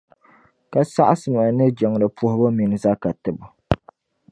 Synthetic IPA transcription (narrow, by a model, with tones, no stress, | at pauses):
ka˨sa˦ʔa˦sɨ˨ma˨nɨ˦d͡ʒɛ˨ŋ˨ɾɨ˨pʰu˦hʊ˦bʊ˦mi˨n˨za˦ka˨tɨ˨bʊ˨